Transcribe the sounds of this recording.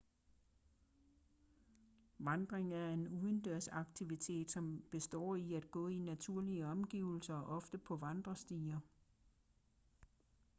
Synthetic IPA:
ʋɑ̈nd̥ʁeŋæɐe̝nuðˠən̩d̥øɐ̰sɑ̈ɡ̥t͡sʰiʋit͡sʰe̝̰ːd̥sɒ̽mb̥e̝sd̥ɒ̰ːiæd̥̚ɡ̥ɔ̰̽ːinæt͡sʰuɐ̰liəɒ̽mɡ̥iːʊl̩sɐʔɒ̽fd̥əpʰɒ̽ʋɑ̈nd̥ʁɐsd̥iːɐ

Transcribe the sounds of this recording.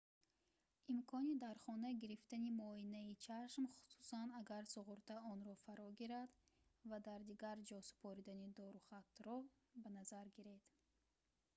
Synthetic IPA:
imkʰɔnid̪aɾχɔnaɡiɾift̪animɔinait͡ʃʰaʃmχu̥su̥sanaɡaɾsuʁuɾt̪ʰaɔnɾɔfaɾɔɡiɾad̪vad̪aɾd̪iɡaɾd͡ʒɔsu̥pʰɔɾid̪anid̪ɔɾuχat̪ɾɔ | banazaɾɡiɾed̪̥

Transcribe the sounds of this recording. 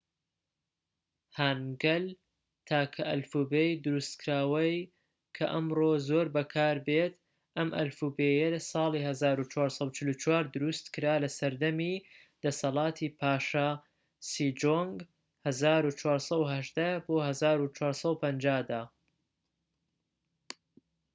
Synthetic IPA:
hanɡɐl | t̪ʰaːkʰɐʔɐlfuːbejd̪ʊɾust̪kʰɾaːwɐj | kʰɐʔɐmɾoːzoːɾbɐkʰaːɾbet̪ | ʔɐmʔɐ̰lfubejɐlɐsɑːlˠihɐzaːɾut͡ʃʰwaːɾsˤɐut͡ʃɪlut͡ʃʰwaːɾd̪ʊɾust̪kɨɾaːlɐsɐɾd̪ɐmi | d̪̥ɐsɐlɑːt̪ʰipʰaːʃa | siːd͡ʒoŋɡ | hɐzaːɾut͡ʃʰwaːɾsɐuɦɐʒd̪aboːhɐzaːɾut͡ʃʰwaːɾsˤɐupʰɐnd͡ʒaːd̪aː

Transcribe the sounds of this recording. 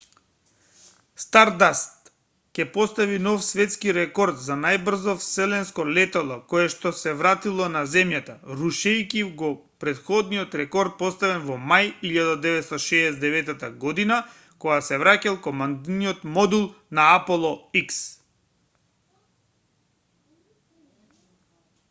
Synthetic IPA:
st̪aɾd̪ast̪ | cɛpɔst̪avinɔfsvɛt̪skiɾɛkɔɾd̪zanajbr̩zɔfsɛlɛnskɔlɛt̪alˠɔkɔjɛʃt̪ɔsɛvɾat̪ilˠɔnazɛmjat̪aɾuʃɛjkiɡɔ | pɾɛt̪xɔd̪nijɔt̪ɾɛkɔɾt̪̚pɔst̪avɛnvɔmajiʎad̪ad̪ɛvɛt̪st̪aʃɛːsd̪ɛvɛt̪at̪aɡɔd̪ina | kɔɡasɛvɾacɛlˠkɔmand̪nijɔt̪mɔd̪ulˠnaapɔlˠɔiks

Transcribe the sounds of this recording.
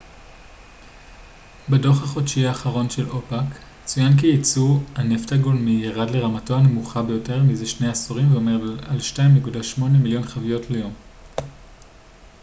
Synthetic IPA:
bedo̞χhaχo̞dʃiaːχaʁo̞nʃe̞lʔo̞pak | t͡sujankijit͡suhaneftaɡo̞lmijaʁadle̞ʁamato̞ane̞muχabe̞jo̞te̞ʁmizeʃne̞jasoʁimveo̞meʁalʃtaimːikudaʃmo̞nemiljo̞nχavijo̞tlejo̞m

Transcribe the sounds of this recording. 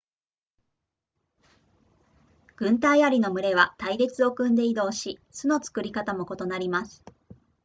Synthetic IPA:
ɡ̥ɯ̟̃nt̪aiaɾʲino̞mɯ̟ɾe̞β̞at̪aiɾe̞t͡sɨo̞kɯ̟̃nd̪e̞id̪o̞ːɕisɨno̞t͡sɨ̥kɯ̟ɾʲikat̪amo̞ko̞t̪o̞naɾʲimasɨ̥

